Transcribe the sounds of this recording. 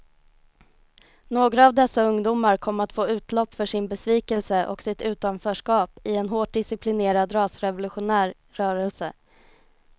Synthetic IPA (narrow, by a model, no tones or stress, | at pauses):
noːɡɾaːvd̪ɛsːaɵŋd̪uːmaɾkʰɔmːat̪foːʉ̟ːt̪lɔpːfœʂɪnbɛsviːkɛlsəʔɔ̰ksɪt̪ʉ̟ːt̪anfœːʂkɑːpɪɛnɦoːʈ̚ɖ̪ɪsɪplɪneːɾad̪ɾɑːsɾɛvʊlɵɧʊnæːɾːœːɾɛlsə